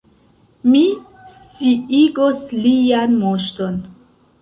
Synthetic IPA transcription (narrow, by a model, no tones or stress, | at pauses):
mi | st͡siiɡoslianmoʃton